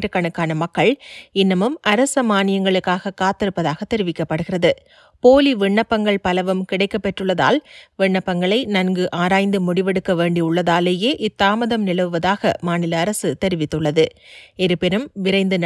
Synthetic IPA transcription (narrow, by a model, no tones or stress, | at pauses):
ɾɯkːɐɳɯkːaːnɐmɐkːɐɭɪnːɐmɯmɐɾɐsɐmaːnɪjɐŋɡɐɭɯkːaːɣɐkaːt̪ːɪɾɯpːɐðaːɣɐt̪ːɛɾɯʋɪkːɐpːɐɽɯɣɪrɐðɯ | poːliʋɪɳːɐpːɐŋɡɐɭpɐlɐʋɯmkɪɽɐɪkːɐpːɛʈrɯɭːɐða̰ːlʋɪɳːɐpːɐŋɡɐɭɐɪnɐnɡɯʔaːɾaːjnd̪ɯmʊɽɪʋɛɽɯkːɐʋeːɳɖiʊɭːɐðaːleːjeːʔɪt̪ːaːmɐðɐmnɪlɐʋɯʋɐðaːɣɐ̰maːnɪlɐːɾɐsɯt̪ɛɾɪʋɪt̪ːɯɭːɐðɯɛɾɯpɪɾɯmʋɪɾɐɪnd̪ɯn